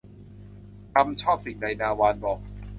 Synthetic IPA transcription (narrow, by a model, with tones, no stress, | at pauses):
k̪ʰa˧mt͡ɕʰɔː˥˩p̚si˨˩ŋna˧jnaː˧waː˧nbɔː˨˩k̚